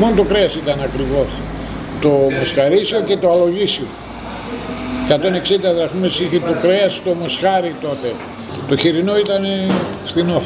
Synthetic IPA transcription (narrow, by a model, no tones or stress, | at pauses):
monot̪okɾe̞ɐsit̪ɐnɐkɾivo̞s | t̪o̞mo̞sxɐɾisioce̞t̪oɐlo̞ʝisio̰ | kɐt̪o̞ne̞ksind̪ɐðɐxumesiçit̪o̞kɾeɐsi̥t̪o̞mo̞sxɐɾit̪o̞t̪e̞ | t̪o̞çiɾino̞it̪ɐnefθino̞